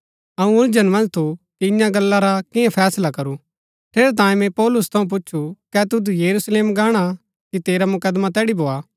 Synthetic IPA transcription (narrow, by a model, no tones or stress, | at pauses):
ɐũʊɾd͡ʒənmɐ̃nd͡ʒt̪ʰukiɪjãɡɐlːaɾakɪ̃jãpʰɛːslakɐɾu | ʈʰeːɾɛt̪̬ãːjĩmɛ̃pɔːlʊst̪ʰɐũp̬ʊtːʃʰukɛt̪ʊd̪ujɐɾusleːmɡaːɽ̃a | kit̪eːɾamʊkəd̪mat̪ɛːɽibʱoːaː